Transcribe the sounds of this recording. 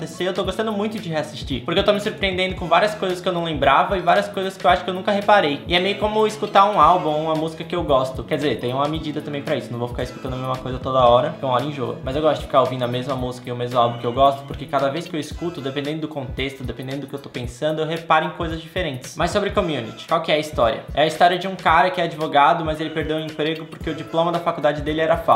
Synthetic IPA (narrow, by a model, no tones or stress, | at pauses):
t̪eseewt̪oɡost̪ɐ̃nd̪ʊmũj̃t̪ʊd͡ʒɪɦeasist͡ʃipoɾkeewt̪omɪsuɾpɾiẽnd̪ẽnd̪ʊkõvaɾiɐskojzɐskɪewnɐ̃w̃lẽmbɾavɐɪvaɾiɐskojzɐskɪewaʃʊkɪewnũkɐɦepaɾejɪɛmejʊkõmʊiskut̪aɾũalbũũmɐmuzikɐkɪewɡɔst̪ʊkɛɾd͡ʒɪzeɾt̪ẽj̃ʊ̃ũmɐmed͡ʒid̪ɐt̪ɐ̃mbẽj̃pɾɐisʊnɐ̃w̃vofi̥kaɪiskut̪ɐ̃nd̪ɐmezmɐkojzɐt̪od̪ɐɔɾɐfoũmɐ̃ɔɾɐẽʒo̰ɡʊ̰mɐzewɡɔst̪ʊd͡ʒɪ̥fi̥kaɾovĩnd̪ʊɐmezmɐmuzikɐɪʊmezmʊalbũkɪewɡɔst̪ʊ̥poɾkekad̪ɐvejskɪewiskut̪ʊd̪epẽnd̪ẽnd̪ʊd̪ʊkõnt̪est̪ʊd̪epẽnd̪ẽnd̪ʊd̪ʊkewt̪opẽsɐ̃nd̪ʊewɦepaɾʊẽj̃kojzɐzd͡ʒifeɾẽnt͡ʃɪ̥smɐsːobɾɪkomiunḭt͡ʃɪ̥kwawkɪɛɐist̪ɔɾḭɐ̰ɛɐist̪ɔɾiɐd͡ʒɪũkaɾɐkɪɛad͡ʒivoɡad̪ʊmɐzelɪpeɾd̪ew̃ẽpɾeɡʊpoɾkeʊd͡ʒiplõmɐd̪ɐfakuwd̪ad͡ʒɪd̪elɪɛɾɐfa̰